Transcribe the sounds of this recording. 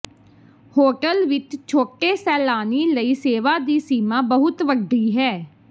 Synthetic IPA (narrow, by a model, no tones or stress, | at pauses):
hoːʈəlʋɪt͡ʃt͡ʃʰoːʈeːsɛːlaːniːləiːseːʋaːd̪iːsiːmãːbəɦʊt̪ʋəɖːiːɦɛː